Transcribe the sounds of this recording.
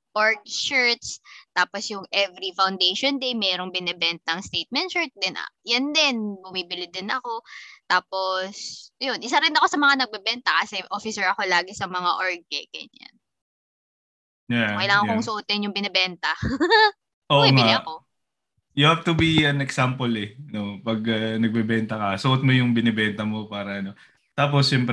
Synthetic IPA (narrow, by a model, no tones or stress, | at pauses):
ʔoɹɡ̚ʃɛɹt̪st̪aːposjʊŋʔɛvɾifawnd̪ejʃond̪ejmɛːɾoŋbɪnɛbɛnt̪ɐŋst̪ejt̪̚mɛnt̪ʃɛɹt̪̚d̪ɛnʔjɐnd̪ɪnbʊmiːbɪlɪd̪ɪnɐko̞t̪aːpo̞sjonʔɪs̬aɾɪnɐko̞sɐmɐŋanɐɡ̚bɛbɛnt̪ɐkɐsɛʔo̞fɪsɛɹɐko̞laːɡɪsɐmɐŋaʔoɹɡ̚ɛ̰kɐ̰na̰n | jakɐjlaːŋɐŋkoŋsʊʔot̪̚ːɪnjʊŋbɪnɛbɛnt̪ɐ | ʔoʔŋaɲaɐko̞ | jʊhavt̪ubiɐnɛksampolɛno̞pɐɡɐnɐɡ̚bɛbɛnt̪ɐkɐsʊʔot̪̚mojʊŋbɪnɛbɛnt̪ɐmo̞paːɾɐʔɐno̞ | t̪aːp̬osʃɛmp